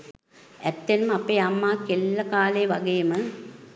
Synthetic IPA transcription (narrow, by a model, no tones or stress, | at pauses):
ɛt̪ːenəmapeːamːaːkelːɐkaːlejʋaɡejəmə